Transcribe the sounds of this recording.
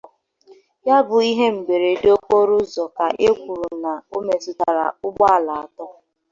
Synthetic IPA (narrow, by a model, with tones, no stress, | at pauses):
ja˦bʊ˨i˦ɦe˦m̩˨be˨ɾe˨do˦ko˦ɾʊ˦zɔ˨ka˨ʔe˦kʷu˨ɾu˨na˨o˦me˨sʊ˨ta˨ɾa̰˨ʊ˦ɡ͡ba˦a˦˨la˨a˨tɔ˦